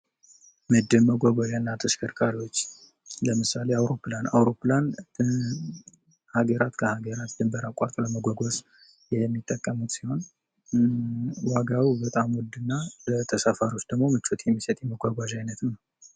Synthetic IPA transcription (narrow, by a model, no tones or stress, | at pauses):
mɨd̪ːɨlməɡʷaɡʷaʒanːat̪ʰəskʰəɾkʼaɾiwo̞t͡ʃː | ləmɨsaleawɾo̞pːlana̰wɾo̞pːlan | haɡəɾat̪kʰəhaɡəɾat̪d̪ɨmbəɾakʷʼaɾt̪ʼləməɡaɡos | jɛmːit̪ʼːəkʼːəmut̪siho̞n | waɡawibət̪ʼamwɔd̪ɨnːaət̪ʰəsafaɾio̞t͡ʃːd̪̥əɡmo̞mɨt͡ʃʰːot̪ʰjɛmːisət̪ʼjɛməɡʷaɡʷaʒajnət̪nəw